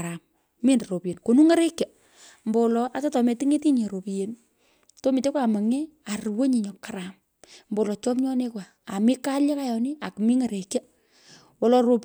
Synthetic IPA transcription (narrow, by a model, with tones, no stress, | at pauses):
ɾa˨m | mi˦nro˨pi˨je˨nko˨nu˦ŋa˦ɾe˦kja˨ | mbo˨lɔ˨ʔa˨ta˦tɔ˨me˨ti˦ŋe˦ti˦ɲe˨ɾo˨pi˨je˨n | to˦mi˨te˦kwʷaː˨ma˨ŋɛ˦ | a˨rwo˦ɲi˨ɲɔ˨kaɾa˨m | mbo˨wlɔ˨t͡ʃɔ˦pɲɔ˦ne˦kwaː˨mi˦ka˦lja˦ka˦jɔ˨ni˦a˨ku˨mi˦ŋa˨ɾe˨kja˦ | wɔ˨lɔ˨ɾo˨p